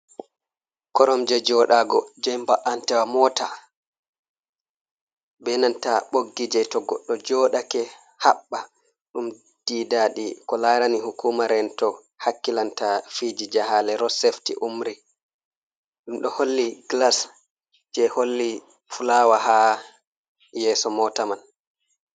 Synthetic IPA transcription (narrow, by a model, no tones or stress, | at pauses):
kɔɾɔmd͡ʒɛd͡ʒɔɗaɡɔd͡ʒɛmbaʔantɛwamɔːta | bɛnantaɓoɡːid͡ʒɛtɔɡɔɗːɔd͡ʒɔɗakɛ | haɓːa | ɗum | d̥iːdaɗikɔlaːɾaniɦukuːmaɾɛntɔ | hakːilantafid͡ʒid͡ʒaɦalɛɾɔseftḭʔumɾi | ɗumɗɔholːiɡlas | d͡ʒɛholːi | fulawaɦa | jɛːsɔmɔtaman